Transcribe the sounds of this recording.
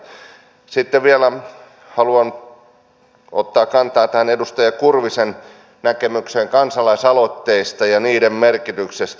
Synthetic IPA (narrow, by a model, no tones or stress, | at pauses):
sit̪ːeʋʋiælæ | hɑluɑn | o̰t̪ːɑːkkɑnt̪ɑːt̪æhænedust̪ɑjɑkurʋisen | nækemykseŋkɑnsɑlˑɑisɑlot̪ːeist̪ɑjɑniːdemmerkit̪yksest̪